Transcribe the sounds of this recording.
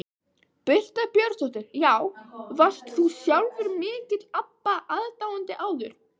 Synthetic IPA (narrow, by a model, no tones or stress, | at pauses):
pʏl̥t̪apjœɾ̥sʰɔht̪ɪɾ̥jaːwvast̪θusjawlvɪɾmɪːt̪ɪt̪apːaʔaðt̪aːwant̪ɪʔaːwðʏɾ̥